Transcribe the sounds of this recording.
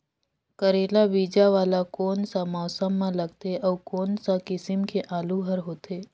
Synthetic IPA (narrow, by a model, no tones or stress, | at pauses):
kəɾeːlabiːd͡ʒaʋaːlakoːnsamaːsəmːãləɡt̪eʔɔːkoːnsãkɪsɪmkʰeʔaːluɦəɾɦoːt̪eː